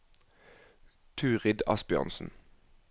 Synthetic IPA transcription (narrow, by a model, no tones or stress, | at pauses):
t̪ʰʉːʁɪd̪ɑ̰sbjø̰ːʁnsn̩